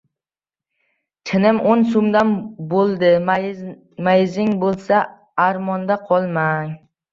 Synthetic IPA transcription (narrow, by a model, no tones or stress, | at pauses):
t̪ʰɪnɪmonsomd̪anbolˠd̪ɪ | majzɪŋbolˠsa | aɾmɒnd̪aqʰɒlˠmaŋ